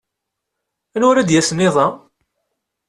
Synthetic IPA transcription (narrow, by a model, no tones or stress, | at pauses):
ænʊɾæd̪jæsənɪðˤɑ